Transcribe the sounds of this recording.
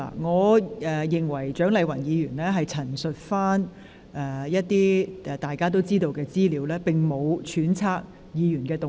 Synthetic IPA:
a̰˨ŋɔː˨˧ɛ˨˧jɪ˨ŋwɐ˨˩jt͡ʃœː˨˥ŋlɐ˨˧jwɐ˨˩njiː˨˧jyː˨˩nlɛː˥ɦɐ˨jt͡sʰɐ˨˩nsɵ˨t̚faː˥n | ɛː˧jɐ˥t̚t̪iː˥ɛ˨˩t̪aː˨jkaː˥t̪̬o˥wt͡siː˥t̪o˧wkɛː˧t͡siː˥liː˨˧wlɛː˥pɪ˨ŋmo˨˧wt͡ʃʰyː˨˥nt͡sʰaː˧k̚ | jiː˨˧jyː˨˩nkɛː˧t̪ʊ˨

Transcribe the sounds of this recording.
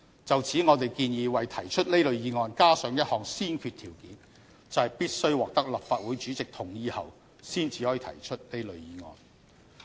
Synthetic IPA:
t͡sɐ˨wt͡sʰiː˨˥ŋɔː˨˧t̪e˨jkiː˧njiː˨˧wɐ˨jt̪ʰɐ˨˩jt͡ʃʰɵ˥t̚le˥jlɵ˨˧ɥjiː˨˧ŋɔː˨nkaː˥sœː˨˥ŋjɐ˥t̚hɔː˨ŋsiː˥nkʰyː˧t̪ʰiː˨˩wkiː˨˥n | t͡sɐ˨whɐ˨jpiː˥t̚sɵ˥ɥwɔː˨k̚t̪ɐ˥k̚lɐ˨˩p̚faː˧t̚wuː˨˥jt͡ʃyː˨˥t͡sɪ˨k̚t̪ʰʊ˨˩ŋjiː˨˧hɐ̰˨w | siː˥nt͡siː˨˧hɔː˨˥i˧t̪ʰɐ̰˨˩jt͡ʃʰɵ˥t̚ne˥jlɵ˨˧ɥjiː˨˧ŋɔ̰ː˨˧n

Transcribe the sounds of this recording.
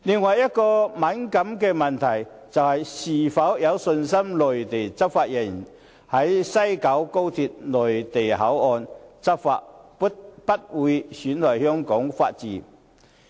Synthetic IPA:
lɪ˨ŋwɐ˨jɐ˥t̚kɔː˧mɐ˨˥nkɐ˨˥mkɛː˧mɐ˨nt̪ʰɐ˨˩j | t͡sɐ˨whɐ˨jsiː˨˩fɐ˨˥wjɐ˨˧wsɵ˧nsɐ˥mlɔː˨jt̪e˨˩jt͡sɐ˥p̚faː˧t̚jɐ˨˩n | hɐ˨˥jsɐ˥jkɐ˨˥wko˥wt̪ʰi˧t̚lɔː˨˩jt̪e˨jɦɐ˨˥wɔː˧nt͡sɐ˥p̚fa̰ː˧˥t̚pu˥tpɐ˥t̚wuː˨˥jsyː˨˥nt̪ʰɔː˨˩jhœː˥ŋkɔː˨˥ŋfa̰ː˧t̚t͡siː˨˥

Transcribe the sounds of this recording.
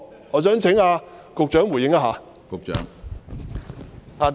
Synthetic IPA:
ŋɔː˨˧sœː˨˥ŋt͡sʰɪ˨˥ŋaː˧ | kʊ˨˧k̚t͡ʃœː˨˥ŋwjɪ˨˥ŋa˧ɦaː˨˧ | kʊ˨k̚t͡ʃœ̰ː˨˥ŋ | haː˨˩

